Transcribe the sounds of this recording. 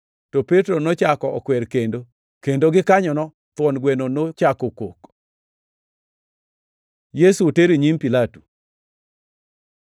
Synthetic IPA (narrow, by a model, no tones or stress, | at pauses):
topetɾonot͡ʃakɔɔkwɛɾkendo | kendoɡɪkaɲɔnɔ | t̪wɔnɡwenonot͡ʃakokok | jesuteɾiɲimpilatu